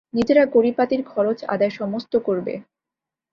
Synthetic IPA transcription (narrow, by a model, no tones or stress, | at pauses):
nid͡ʑeɾakoɾipat̪iɾkʰɔɾot͡ɕa̰d̪aeʃɔmost̪okoɾbḛ